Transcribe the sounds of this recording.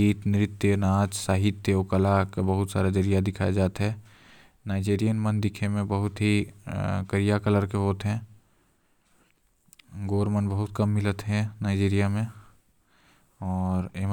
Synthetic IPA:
iːt̪nɪɾɪt̪ːjənaːd͡ʒsaːɦɪt̪ːeokɐlakebɐɦʊt̪saːɾad͡ʒəɾijad̪ɪkʰaːjed͡ʒaːt̪ɦɛː | naːɪd͡ʒeːɾijənmənd̪ɪkʰemẽbəɦʊt̪ɦi | kəɾijakələɾkeɦoːt̪ɦɛ̃ː | ɡoːɾmənbɐɦʊt̪kɐmːɪlət̪ɦɛ̃naːɪd͡ʒiːɾijamẽ | ɔːɾem

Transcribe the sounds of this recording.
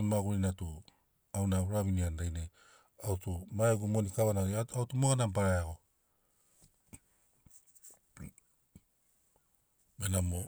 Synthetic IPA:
maɡuɾinatu | awnaɾaβiniandajne | awtumaeɡumonikaβanaiautumoɣanampaɾajaɡo | menamo

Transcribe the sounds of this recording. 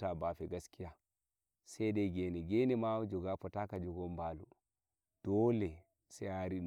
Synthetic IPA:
tabafɛɡaskija | sɛdɛɡɛnɛɡɛnɛmad͡ʒɔɡafɔtakad͡ʒɔɡɔmbalṵ | d̥ɔlɛ | sɛaɾi

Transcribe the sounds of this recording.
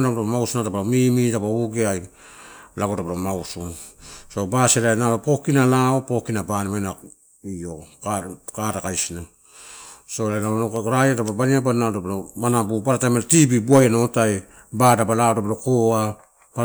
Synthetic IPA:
ɾaɾamawsunatabaɾomimitapaauɡeaj | laɡotapaɾomaususo̞baselajnaopo̞kinalaopo̞kinabanimajna | io | katakajsina | solajnanoɾajatabobaniabanatabaɾomanabubaɾatamenatibibuajanotaj | badabalaodabaɾokoa | pa

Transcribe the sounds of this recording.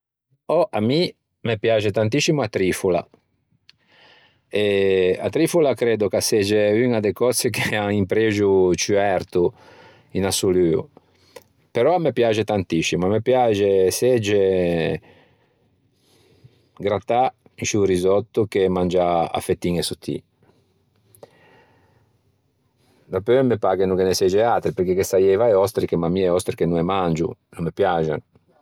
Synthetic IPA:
ɔʔami | mepjat͡ʃet̪ant̪isimuat̪ɾifula̰ | ea̰t̪ɾifulakɾeːd̪okasɛd͡ʒeyŋad̪ekɔt̪sekeaŋimpɾeʒut͡ʃyɛɾt̪u | inasulyːṵ | peɾɔamepjad͡ʒet̪ant̪isimuamepjad͡ʒesɛd͡ʒe | ɡɾat̪a | iʃurizɔt̪ːukemand͡ʒaa̰fːet̪ːiŋesut̪ʰːḭ | d̪apøɛmːepaɡenukenesɛd͡ʒɛat̪ɾipeɾkekːest̪ajɛjvajɔst̪ɾikemamːiɛɔst̪ɾikenuɛmand͡ʒṵnumːepjad͡ʒa̰

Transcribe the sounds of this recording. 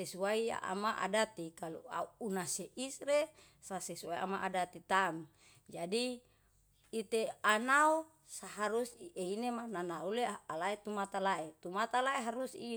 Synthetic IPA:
sesuaia̰ʔa̰maʔa̰dat̪ikalṵa̰uːnaseʔisre | sasesuaia̰maʔadat̪it̪am | d͡ʒadi | it̪eanau | saɦaɾusieinemananaulealaet̪umat̪alaet̪umat̪alaeɦaɾusi

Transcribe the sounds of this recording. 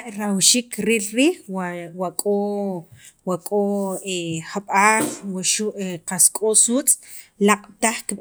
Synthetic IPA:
ʔɾawʃiːkɾiːlɾiːhwwakʼo | wakʼoeχaɓaːɬwaʃuʔeqaskʼosuːt͡sʼ | laqʼt̪aχk

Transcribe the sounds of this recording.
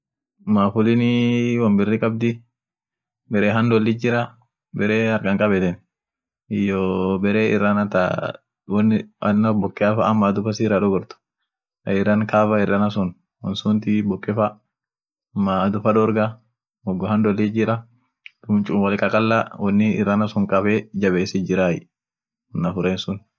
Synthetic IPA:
maːfʊlɪnɪwɐmbɪrːɪkʼɐb̚d̪ɪ | bɛɾeːɦɐnd̪ɔlːɪd͡ʒɪɾɐ | bɛɾeːɐɾɡɐŋkʼɐbɛt̪ɛn | ɪjɔbɛɾeːɪ̰rːanɐt̪a̰ | wɐnːɪɐnːɐbɔkʼːɛɐfaːmːaːd̪ʊfɐsiːɾaᶑɔɡɔɾt̪ʊ̥ | ɐɪrɐnkaːfɐɪrːɐnɐs̬ʊn | wɔnsʊnt̪ibɔkʼːɛfa | mːad̪ʊfɐᶑɔɾɡɐ | ɔɡːɔhɐnd̪ɔlːɪd͡ʒɪɾɐ | d̪̥ʊmt͡ʃʼʊnwɐlɪkʼɐkʼɐlːawɐnːɪɪrːɐnɐsʊŋkʼɐbɛd͡ʒɐbeːsɪd͡ʒɪɾaːjɪ̰ | ɔnːɐfʊɾeːnsʊn

